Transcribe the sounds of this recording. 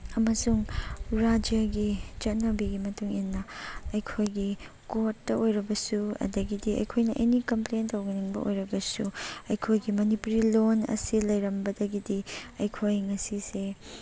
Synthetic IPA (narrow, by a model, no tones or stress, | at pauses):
ɐmɐsuŋɾad͡ʒjɐɡit͡ʃɐt̚nɐbiɡimɐtuŋinːɐɐjkʰojɡi | kotːɐojɾɐbɐsuɐ̰dɐɡidiɐ̰jkʰojnɐʔḛnikɐmplentowɡiniŋbɐ̰ʔo̰jɾɐbɐsuɐjkʰojɡimɐnipuɾilonɐ̰silɐjɾɐmbɐdɐɡidiɐjkʰojŋɐsise